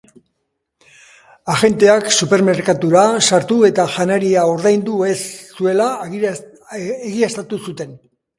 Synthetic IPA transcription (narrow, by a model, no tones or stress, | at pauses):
aʝe̞nt̪e̞aksupe̞ɾme̞ɾkat̪uɾasaɾt̪ue̞t̪aʝanaɾiao̞ɾðajnd̪ue̞sːue̞la | eɣiast̪at̪usut̪e̞n